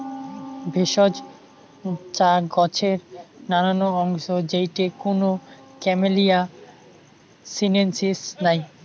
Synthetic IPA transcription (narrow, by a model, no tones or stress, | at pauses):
bʱeʃɔd͡ʑ | t͡ɕaɡɔt͡ɕʰeɾnananoɔŋʃod͡ʑejʈekono | kɛmelija | sinensisnaj